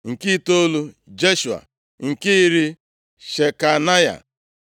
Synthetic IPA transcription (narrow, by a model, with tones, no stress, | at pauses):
ŋ̩˨ki˦to˦lu˦ | d͡ʒe˦ʃu˨a̰˨ | ŋ̩˨ki˦ɾi˦ | ʃe˨ka˨na˦ja̰˨